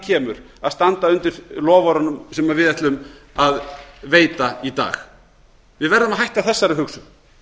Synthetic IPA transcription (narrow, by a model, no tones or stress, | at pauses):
cʰɛːmʏɾ | aðst̪ant̪aʏnt̪ɪɾ̥lɔːvɔɾanʏmsɛmaðvɪðɛt̪lʏm | aðveːjt̪ait̪a̰ːx | vɪðvɛɾðʏmaɦajht̪aðθɛsːaɾɪʏɦʏksʏ